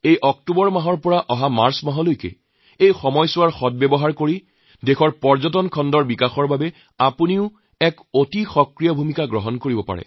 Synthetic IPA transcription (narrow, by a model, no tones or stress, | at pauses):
ejʔɔk̚tubɔɹmaɦɔɹpɔɹaʔɔɦamaɹsmaɦɔlojkɛ̰ | ejxɔmɔjsʊwaɹxɔt̚bɛbɔɦaɹkoɹi | dexʰɔɹpɔɹzɔtɔnkʰɔndɔɹbikaxɔɹbabɛ | apuniʊ | ɛk | otixɔkɹijɔbʱumikaɡɹɔɦɔnkoɹibɔpa̰ɹɛ̰